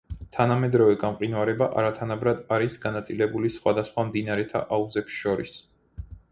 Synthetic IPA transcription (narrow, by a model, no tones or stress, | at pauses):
t̪ʰanamɛd̪ɾɔvɛɡamqʼinwaɾɛbaʔa̰ɾat̪ʰanabɾad̪aɾisɡanat̪sʼilɛbulisχwad̪asχwamd̪inaɾɛt̪ʰa̰ʔauzɛpsʃɔɾḭs